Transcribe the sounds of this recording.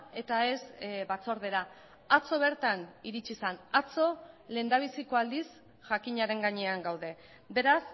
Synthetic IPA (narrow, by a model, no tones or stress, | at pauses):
e̞t̪ae̞sβat͡so̞ɾðe̞ɾa | at͡so̞β̞e̞ɾt̪aniɾit͡ʃisanat͡so̞le̞ːnd̪aβ̞isiko̞ald̪is | ʝakiɲaɾe̞ŋɡaɲe̞aŋɡawðe̞ | be̞ɾas